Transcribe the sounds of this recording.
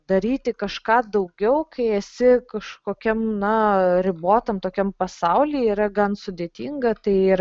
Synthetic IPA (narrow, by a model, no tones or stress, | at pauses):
d̪ɐɾʲiːt̪ʲɪkɐʃkɑːd̪ɐʊɡʲɛʊkɐɪɛsʲɪkɐʃkoːkʲɛmnɐɾʲɪboːt̪ɐmt̪oːkʲɛmpɐsɐʊlʲiːiːɾɐɡɐnsʊd̪ʲeːt̪ʲiːŋɡɐt̪ɐɪiːɾ